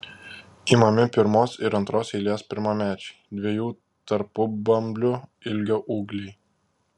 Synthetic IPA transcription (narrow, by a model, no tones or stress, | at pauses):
iːmɐmʲɪpʲɪɾmoːsɪɾɐnt̪ɾoːsɛɪlʲeːspʲɪɾmɐmʲæːt͡ʃʲɛɪd̪ʲʋʲiɛjuː | t̪ɐɾpʊbɐmʲbʲlʲʊɪlʲɡʲoːʔuːɡlʲɛɪ